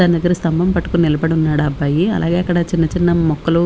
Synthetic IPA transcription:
aːnid̪ɐɡːɐɾust̪ɐmbʱɐmpɐʈːu̥kunnilɐbɐɽunːaːɽːbːɐjiɐ̰lʔa̰ːɡeːɐkːɐɽɐt͡ʃinːɐt͡ʃinːɐmɔkːɐlu

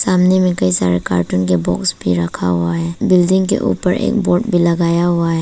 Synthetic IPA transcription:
samnimikajsaɾeka̰ɾʈunk̬ebɔ̰ksbiɾakʰa̰waebildiŋkḛʔṵpəɾḛk̚bɔɾʈ̚bilɐɡajawae

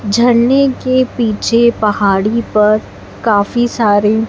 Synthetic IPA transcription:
d͡ʒʱɐɽnekepiːt͡ʃʰepɐhaːɽipɐɾ | kaːfisaːɾe

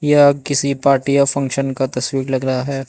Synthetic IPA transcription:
jakɪsipaːɾʈijafɐ̃ŋkʃənkat̪ɐswiːklɐɡɾɐɦaɦɛː

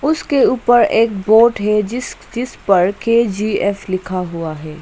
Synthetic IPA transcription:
ʊskeuːpəɾeːk̚boːʈɦɛd͡ʒɪd͡ʒɪspɐɾkeːd͡ʒiːɛːflɪkʰaɦʊaɦɛː

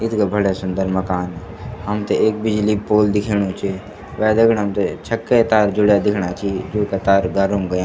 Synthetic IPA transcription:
ɪt̪ʰkabʱəɽesʊnd̪əɾməkaːn | ɦəmt̪eeːk̚bɪd͡ʒliːpoːld̪ɪkʰeːɽõːt͡ʃʰe | ʋɛːd̪ekʰnɦəmt̪et͡ʃʰəkːet̪aːɾd͡ʒʊɽjad̪ɪkʰɳaːt͡ʃʰid͡ʒoːkat̪aːɾɡaːɾũmɡəjãː

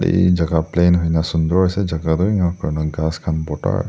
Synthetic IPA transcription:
ɽḭd͡ʒaɡaplenɦojnasund̪ɔɹɦɔjsɛd͡ʒaɡadɔiŋakaɹɔnɔɡaskʰanbɔta̰ɹ

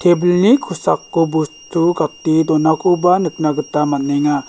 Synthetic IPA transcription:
tʰebulnikʰusakːubustʰuɡatːidɔnakʰubanɯk̚naɡɯtamanːɛŋa

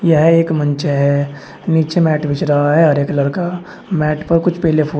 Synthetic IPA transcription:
jəɦeːkmə̃nt͡ʃeɦɛ | niːt͡ʃemɛːʈbɪt͡ʃɾɐɦaɦɛɦɐɾeːkləɾka | mɛːʈpɐɾkʊt͡ʃʰpɛɦlepʰu

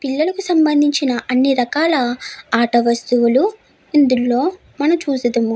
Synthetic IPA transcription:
piɭːɐlɐkusɐmbɐnd̪ʱiɲt͡ʃinɐʔɐnːiɾɐkaːlɐaːʈɐʋɐst̪uʋulu | ind̪ulːo̞ː | mɐnɐmt͡ʃuːsɐd̪ɐmu

